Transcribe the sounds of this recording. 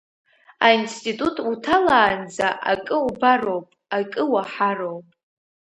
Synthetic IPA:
a̰instʼitʼutʼutʰalaːnd͡zaʔa̰kʼɨubaro̞wpʼakʼɨwaħarowpʼ

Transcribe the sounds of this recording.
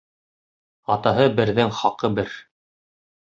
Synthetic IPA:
ɑt̪ɑɦɤbɘ̆ɾðɘŋχɑqɤbɘɾ

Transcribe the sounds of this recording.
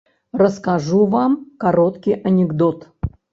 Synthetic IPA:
rəskɐʐuvamkɐɾot̪kʲɪjʔɐnʲɪɡd̪ot̪

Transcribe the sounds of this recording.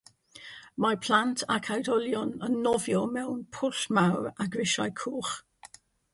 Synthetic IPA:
mapʰl̥ˠantʰakʰawdɔlˠjɔnənːɔvjɔmɛwnpʰʊɬmawɹaɡɹɪʃajkʰuːχ

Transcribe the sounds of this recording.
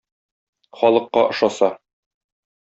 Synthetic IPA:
χɒlˠɤ̆qːɑʔŏʃɑsɑ

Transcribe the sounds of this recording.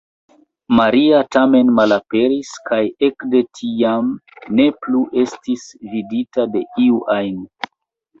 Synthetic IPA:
maɾiatame̞nmalape̞ɾiskʰaje̞kde̞tʰiamne̞pluʔe̞stisviditade̞ʔiuʔajno

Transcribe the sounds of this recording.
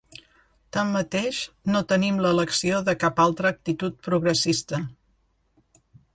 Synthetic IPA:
t̪amːət̪eʃnot̪ənimləːləksioðəkapalˠt̪ɾəːk̚t̪it̪ut̪̚pɾuɣɾəsist̪ə

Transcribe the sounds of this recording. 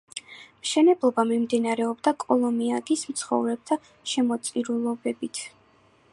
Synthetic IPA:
mʃɛnɛblˠɔbamimd̪inaɾɛɔbd̪akʼɔlˠɔmiaɡismt̪sʰχɔ̰vɾɛb̚t̪ʰa | ʃɛmɔt̪sʼiɾulˠɔbɛbit̪ʰ

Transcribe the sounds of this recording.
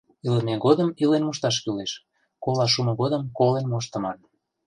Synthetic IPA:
iləmeɣod̪əmilenmoʃt̪ɑʃ̬kyleʃ | kolɑʃ̬uməɣod̪əmkolenmoʃ̬t̪ə̆mɑn

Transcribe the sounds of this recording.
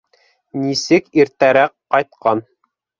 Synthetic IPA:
nisɘkiɾt̪æɾæqːɑjt̪̚qɑn

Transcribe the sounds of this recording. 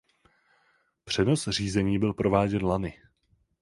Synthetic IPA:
pr̝̥ɛno̞sr̝iːzɛɲiːbɪlpɾo̞vaːɟɛnlanɪ

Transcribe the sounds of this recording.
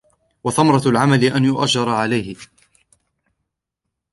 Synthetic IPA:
wɑθamɾˤɑlʕamalɪʔanjʊʔa̰d͡ʒɑɾˤɑʕalajhɪ

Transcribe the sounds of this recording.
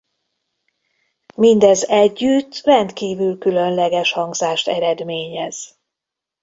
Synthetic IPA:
mind̪ɛzɛɟːyt̪ːrɛnt̪kiːvylkylønlɛɡɛʃhɒŋɡzaːʃt̪ɛɾɛd̪meːɲɛz̥

